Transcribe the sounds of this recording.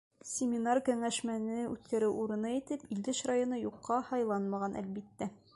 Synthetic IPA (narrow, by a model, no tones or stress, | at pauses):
sʲɪmʲinarkɘŋæʃmænɘʉ̰t̪kæɾɘwuɾɤ̆nɑit̪ɘpild̪ɘɕrajŏnɤjuqːɑhɑjlˠɑnmɑʁɑnʔæ̰lbit̪ːæ